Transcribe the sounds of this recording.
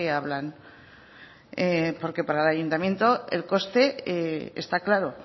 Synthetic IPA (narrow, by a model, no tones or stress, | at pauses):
eaβlan | epo̞ɾke̞paɾalajunt̪amjẽ̞nt̪o̞e̞̰lko̞st̪e̞ḛst̪aklaɾo̞